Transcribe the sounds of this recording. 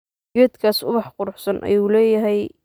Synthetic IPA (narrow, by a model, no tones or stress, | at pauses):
ɡɛːd̪kʰaːsʊ̰βɑħqʊɾʊħsɐnʔɐ̰juːlɛːjɐɦɛj